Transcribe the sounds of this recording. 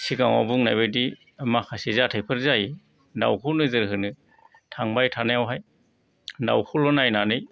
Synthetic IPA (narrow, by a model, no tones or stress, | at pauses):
siɡaŋa̰buŋnajbɯjdi | makʰasizatʰajpʰɯɾzaj | da̰wkʰunɯzɯɾɦɯnɯ | tʰaŋbajtʰanajawɦaj | da̰wkʰulɔnajnanɯj